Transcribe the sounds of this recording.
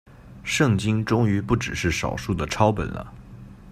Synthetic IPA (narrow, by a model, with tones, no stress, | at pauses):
ʂɤ˥˩ŋt͡ɕi˥ŋʈ͡ʂʊ˥ŋy˧˥pu˥˩ʈ͡ʂɻ̩˨˩ʂɻ̩˥˩ʂɑ˨˩ʊʂu˥˩d̪ə˩ʈ͡ʂʰɑ˥ʊpə̰˨˩nlʔə̰˦